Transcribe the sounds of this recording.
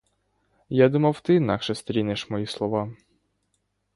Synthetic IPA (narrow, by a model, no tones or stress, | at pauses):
jad̪umɐwt̪ɪːnɑkʃɛst̪ɾʲinɪʃmɔjislˠɔʋɑ